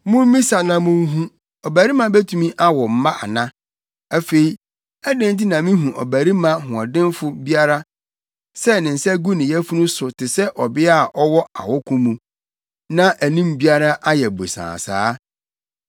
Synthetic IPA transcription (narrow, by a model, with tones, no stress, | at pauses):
mʊ̃˦m̩˦mĩ˦sa˨nã˨mʊ̃˦ŋ˦ɦũ˦ | ɔ˨bæ˨ɾi˦mã˦bæ˦tʰũ˨mĩ˦ʔa˦wɔ˨m̩˦mã˦ʔa̰˨nã˦ | æ˦fe˨i˨ | æ˦dẽ˦n˦t̬i˦nã˨mĩ˦ɦũ˨ʔɔ̰˨bæ˨ɾi˦mã˦ɦʊ̃˨a˨dɪ̃˦nfʊ˦bi˦a˦ɾa˦ | sɛ˦nɪ̃˨n̩˨sɛ˦ɡu˦nɪ̃˨jɛ˦fu˦nũ˦sʊ˨tʰɪ˨sɛ˦ʔɔ˨bɪ˦a˦˨ʔɔ˦wɔ˦a̰˨wɔ˦kʰũ˦mũ˨ | nã˦ʔæ˨nĩ˦mbi˦a˦ɾa˦ʔa˦jɛ˨bo̰˨sã̰ː˨sa̰ː˨˦